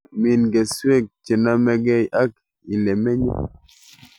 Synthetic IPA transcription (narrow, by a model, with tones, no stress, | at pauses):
mi˨nɡe˨swe˦k̚t͡ʃe˨na˦mɛ˦ɡɛ˦i˨ʔa˦k̚ | i˨le˨mɛ˦ɲo̰˦